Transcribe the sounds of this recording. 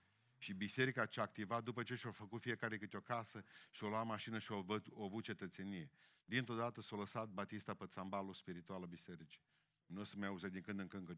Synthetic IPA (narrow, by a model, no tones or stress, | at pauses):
ʃibise̞ɾikat͡ʃaːkt̪ivat̪̚d̪upət͡ʃeʃafəkut̪fijekaɾekɨt̪ʲeo̞kasəʃio̞lwamaʃinəʃiooavut̪̚t͡ʃe̞t̪ət̪se̞nije | d̪int̪ɾod̪at̪əsoləsat̪̚bat̪ist̪apət̪sambaluspiɾit̪ualabise̞ɾit͡ʃi̥ | nosəmeauzed̪iŋkɨnd̪ɨŋkɨŋkə